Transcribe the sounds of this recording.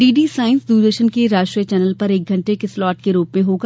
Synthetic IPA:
iːɖisaːɪ̃nsd̪uːɾd̪əɾʃənkeɾaːʃʈɾijət͡ʃɛːnəlpɐɾeːk̚ɡʱɐ̃ɳʈekeslɔːʈ̚keɾuːpmẽɦoːɡa

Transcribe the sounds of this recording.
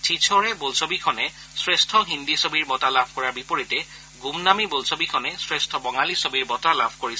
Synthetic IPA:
tʰit͡ʃʰɔɹɛbolsobikʰɔnɛ | sɹestʰɔɦindisobiɹbɔtalabʱkɔɹaɹbipoɹitɛ | ɡumnamibolsobikʰɔnɛsɹestʰɔbɔŋalisobiɹbɔtalabʱkoɹisɛ

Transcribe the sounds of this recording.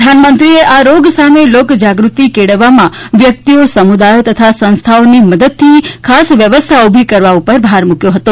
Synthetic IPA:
anmənt̪ɾieʔaɾoɡsamelokd͡ʒaɡɾut̪ikeɽəʋːamãʋjək̚t̪iosəmud̪ajot̪ət̪ʰasə̃ñst̪ʰaoniməd̪əd̪̚t̪ʰːikʰasʋjəʋəst̪ʰaobʱikəɾʋaupəɾbʱaɾmukjoɦət̪o

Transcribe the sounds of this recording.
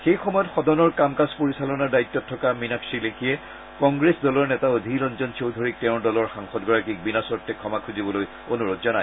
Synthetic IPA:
xejxɔmɔjɔtxɔdɔnɔɹkamkaspoɹisalɔnaɹdaitːɔtʰːɔkaminaksilekʰiɛ | kɔŋɡɹesdɔlɔɹnɛtaodʱilɔnzɔnsowdʱoɹik̚tɛʊ̃ndɔlɔɹxaŋxɔtɡɔɹakik̚binasɔɹtːɛkʰɔmakʰuzibɔloj | onuɹɔtzɔnaj

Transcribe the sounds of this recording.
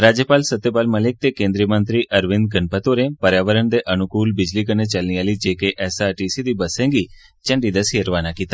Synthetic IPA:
ɾad͡ʒjəpaːlsət̪ːjepaːlməlek̚t̪ekẽnd̪ɾijəmənt̪ɾiʔəɾʋɪnd̪̚ɡəɳpət̪oɾẽpəɾjaːʋəɾəɳd̪eʔənʊkuːlbɪd͡ʒlikənet͡ʃəlniaːlid͡ʒekeʔɛsaʈisid̪ibəsẽŋɡi | t͡ʃə̃ɳɖid̪əsiəɾʋanakit̪a

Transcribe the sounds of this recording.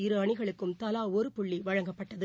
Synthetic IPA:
ɪɾɯɐɳɪɣɐɭɯkːɯmt̪ɐlaːɔɾɯpʊɭːiʋɐɻɐŋɡɐpːɐʈːɐðɯ

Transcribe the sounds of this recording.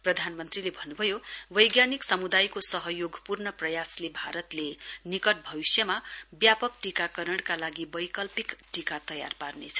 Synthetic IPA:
prʌd̪ʱanmʌnt̪rilebʱʌnːubʱʌjowʌjɡjaniksʌmud̪ajkosʌɦʌjoɡʱpurnʌprʌjaslebʱaɾʌt̪lenikʌʈ̚bʱʌwisjʌmabjapʌkʈikakʌɾʌɽkalaɡibʌjkʌlpikʈikat̪ʌja̰rparnet͡sʰʌ̥

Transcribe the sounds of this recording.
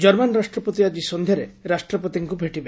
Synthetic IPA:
d͡ʒɔɾmanɾasʈɾɔpot̪iad͡ʒisond̪ʱjɔɾeɾasʈɾɔpot̪iŋkubʱeʈibe

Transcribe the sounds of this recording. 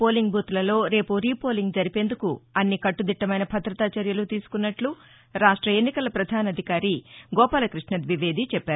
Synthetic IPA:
po̞ːliŋɡ̚bʱuːt̪ulɐlo̞ːɾe̞ːpuɾiːpo̞ːliŋɡd͡ʒɐɾipe̞ːnd̪ukuɐnːikɐʈːud̪iʈːɐmɐjnɐbʱɐt̪ɾɐt̪aːt͡ʃɐɾjɐlut̪iːsu̥kunːɐʈlu | ɾaːʂʈɾɐe̞nːikɐlɐpɾɐd̪ʱaːnɐd̪ʱikaːɾiɡɔːpaːlɐkɾiʂɳɐd̪ʋiʋe̞ːd̪ʱit͡ʃɛpːaːɾu

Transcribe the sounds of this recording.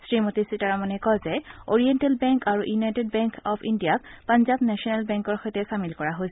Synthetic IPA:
sɹimotisitaɹamanɛkɔzɛoɹijɛntelbɛŋkaɹuʔjunajted̚bɛŋkɔpʰindijak̚panzabnɛsiɔnɛlbɛŋkɔɹxɔjtɛsamilkɔɹaɦojs

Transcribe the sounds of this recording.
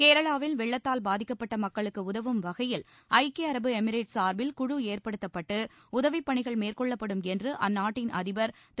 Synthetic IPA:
keːɾɐɭaːʋɪlʋɛɭːɐt̪ːaːlbaːðɪkːɐpːɐʈːɐmɐkːɐɭɯkːɯʊðɐʋɯmʋɐɣɐjɪl | ʔɐɪkeɐɾɐbɯɛmɪɾeːʈsaːɾʋɪlkʊɻueːrpɐɽɯt̪ːɐpːɐʈːɯ | ʊðɐʋɪpːɐɳɪɣɐɭmeːrkɔɭːɐpːɐɽɯmɛndrɯʔɐ̰nːaːʈːɪnɐ̰ðɪʋɐɾ

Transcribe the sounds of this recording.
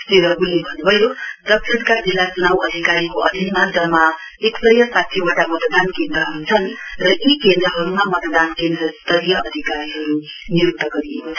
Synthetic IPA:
st̪eɾʌɡulːebʱʌnubʱʌjodʌk̚sʰʌrkad͡zilːat͡sunawʌd̪ʱikaɾikoʌd̪ʱinmand͡zʌmːa | eksʌjʌsat̪ʰibaʈamʌt̪d̪ankend̪rʌɦʌɾut͡sʰʌnrʌikend̪ɾʌɦʌɾumamʌt̪ʌd̪ankend̪rʌst̪ʌɾijʌʔʌd̪ʱikaɾiɦʌɾu | niɾuk̚t̪ʌɡʌɾijekot͡sʰʌ

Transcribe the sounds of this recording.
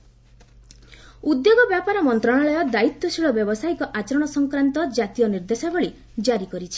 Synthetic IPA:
ud̪joɡɔbjapaɾɔmɔnt̪ɾɔɽ̃aɭɔjɔd̪ait̪wɔsiɭɔbjɔbɔsaikɔʔat͡ʃɔɾɔɽ̃ɔsɔŋkɾant̪ɔd͡ʒat̪ijɔniɾd̪esabɔɭi | d͡ʒaɾikɔɾit͡ʃʰi̥

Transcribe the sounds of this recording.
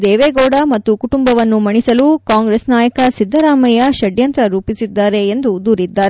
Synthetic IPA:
d̪ɛːʋeːɡɔːɽɐmɐt̪ːukuʈumbɐʋɐnːumɐɳisɐlukaːŋɡɾeːsnaːjɐkɐsid̪ʱːɐɾaːmɐjɐʃɐɖjɐnt̪ɾɐɾuːpisid̪ːaːɾe̞end̪ud̪uːɾid̪ːaːɾe

